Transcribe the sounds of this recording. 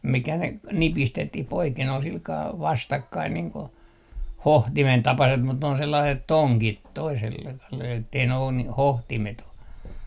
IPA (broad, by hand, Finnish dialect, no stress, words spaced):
mikæ ne k nipistetːih poiken ol silkɑː ʋɑstɑkːɑin niːŋ ko hohtimen tɑpɑset mut ne on selːɑiset toŋkit toisel etːei ne on ni hohtimet o